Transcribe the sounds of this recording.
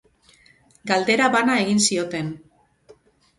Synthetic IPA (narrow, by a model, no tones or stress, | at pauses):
ɡald̪e̞ɾaβanae̞ɣinsio̞t̪e̞n